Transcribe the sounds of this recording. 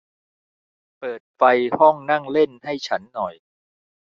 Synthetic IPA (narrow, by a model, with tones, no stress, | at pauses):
pɤː˨˩t̪̚fa˧jhɔ˥˩ŋna˥˩ŋle˥˩nha˥˩jt͡ɕʰa˦˥nːɔ˨˩j